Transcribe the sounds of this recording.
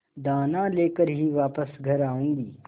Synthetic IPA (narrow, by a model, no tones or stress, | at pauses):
d̪aːnãleːkəɾɦiʋaːpəsɡʱɐɾaːũːŋɡiː